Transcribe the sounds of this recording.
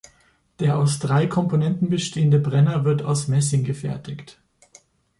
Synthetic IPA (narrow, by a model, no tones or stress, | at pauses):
d̥eːɐʔaʊsd̥ʁaɪkʰɔmponɛntn̩bəʃteːəndəbʁɛnɐvɪɐta̰ʊsmɛs̬ɪŋɡəfɛ̰ɐtɪkt